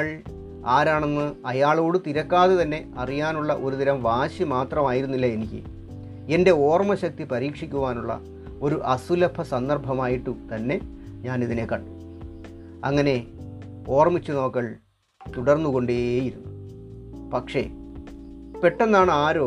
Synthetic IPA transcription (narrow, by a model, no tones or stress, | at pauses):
ɭ | aːɾaːɳenːɨɐjaːɭo̞ːɽɨt̪iɾɐkːaːðet̪ɐnːe̞ɐrijaːnuɭːɐʔo̞ɾuðiɾɐmʋaːɕjɐmaːt̪rɐmaːjiɾunːilːɐe̞nikʲːɨ̰ | ende̞o̞ːrmɐɕɐk̚t̪ipɐɾiːkʂikʲːuʋaːnuɭːɐ̰ | o̞ɾuʔɐsulɐpʰɐsɐnd̪ɐrbʱɐmaːjiʈːut̪ɐnːe̞ | ɲaːniðine̞kːɐɳɖu | ɐ̰ŋːɐne̞ | o̞ːrmit͡ɕːuno̞ːkːɐɭ | t̪uɽɐrnːuɣo̞ɳɖejiɾunːu | pɐkʂe̞̰ | pe̞ʈːe̞nːaːɳɨaːɾoː